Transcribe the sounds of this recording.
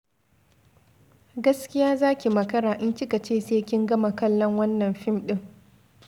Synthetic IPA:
ɡɐ˦skʲɪ˦jaː˦zaː˦kʲi˨mɐ˨kɐ˦ɾaː˨ʔɪ˦nt͡ʃɪ˦kɐ˨t͡ʃeː˦seː˦kʲɪ˦ŋɡɐ˦ma˨kɐ˦lːɐ˦ŋwɐ˦nːɐ˨mɸɪ˦mɗɪ˦ŋ

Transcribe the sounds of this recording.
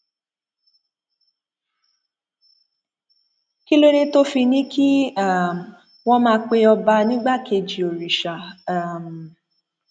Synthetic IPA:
ki˦lo˦ɾe˦to˦fi˧nĩ˦ki˦a˦˨m˨ | wɔ̃˦mãː˧˦k͡pe˧ɔ˧ba˧nĩ˦ɡ͡ba˦˨ke˧d͡ʒi˨o˨ɾi˨ʃa˨˦˨m˨

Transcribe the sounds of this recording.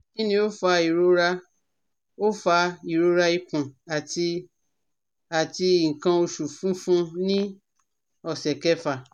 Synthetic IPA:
ĩ˦nĩ˧˦o˦fa˧i˨ɾo˧ɾa˧ | o˦fa˧i˨ɾo˧ɾa˧i˧kũ˨a˨ti˧ | a˨ti˧˨ŋ̩˨kã˧o˧ʃu˨fũ˨˦fũ˦nĩ˦ | ɔ˦˨sɛ˨kɛ˦fa˦˨

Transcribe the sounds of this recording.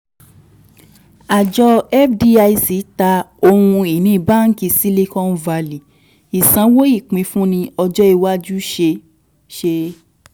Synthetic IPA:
a˨d͡ʒɔ˧ɛ˦fdi˧a˧i˧si˨˦ta˧o˧hũ˧i˨nĩ˨˦˨ba˦˨ŋ̩˦ki˧si˦le˦˧kɔ˦n˦va˧li˨ | i˨sã˨˦wo˦i˦˨k͡pĩ˧˦fũ˦nĩ˧ɔ˧d͡ʒɔ˦i˦˧wa˦d͡ʒu˦ʃe˧ | ʃe˧

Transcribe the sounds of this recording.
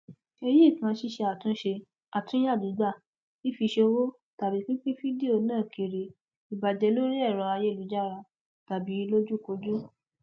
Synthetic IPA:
e˧ji˦˨kã˧˨˧ʃi˦˧ʃe˧a˨tũ˦ʃe˧ | a˨tũ˦a˦˨dũ˨˦ɡ͡ba˦˨ | i˦fi˧ʃe˧o˧wo˦ | ta˨bi˨˦k͡pĩ˦k͡pĩ˦fi˦di˦˨o˧nãː˦˨kʰe˨ɾe˨ | i˨ba˨d͡ʒɛ˨˧˦lo˦ɾi˦ɛ˦˨ɾɔ˧˦a˧je˦lu˨˦d͡ʒa˦ɾa˧ | ta˨bi˨˦lo˦d͡ʒu˦˨ko˧˦d͡ʒu˦

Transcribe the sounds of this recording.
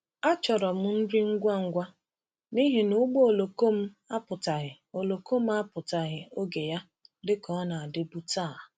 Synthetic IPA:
a˦t͡ʃɔ˨ɾɔ˨m̩˦n̩˦di˦ŋ̩˦ɡʷa˦ŋ̩˦ɡʷa˦ | ni˦ɦi˨nu˦ɡ͡bo˦o˨lo˨ko˦m̩˦ | a˦pʊ˨ta˨ɣɪ˨ | o˨lo˨ko˦m̩˦a˦pʊ˨ta˨ɣɪ˨o˦ɡe˨ja˦ | dɪ˦kɔ˦na˨a˨dɪ˦bu˦taː˦˨

